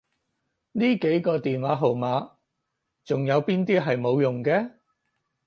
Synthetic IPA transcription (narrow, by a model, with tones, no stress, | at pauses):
niː˥ke˨˥jkɔː˧t̪iː˨nwaː˨˥ɦo˨wmaː˨˥ | t͡sʊ˨ŋjɐ˨˧wpiː˥nt̪iː˥ɦɐ˨jmo˨˧wjʊ˨ŋkɛː˧